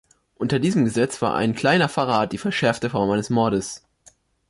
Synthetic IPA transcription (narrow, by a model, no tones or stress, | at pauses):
ʔʊntɐdiːzəmɡəzɛt͡sv̥a̰ːɐʔa̰ɪnkʰl̥aɪnɐfaʁaːt̚d̥iːfɛɐʃɛɐftəfɔɐmʔaɪnəsmɔɐɾəs